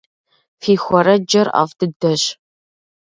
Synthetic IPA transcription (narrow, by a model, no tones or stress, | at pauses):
fiːxʷɔɾɐd͡ʒɐra̰ːvdʰɨdɐɕ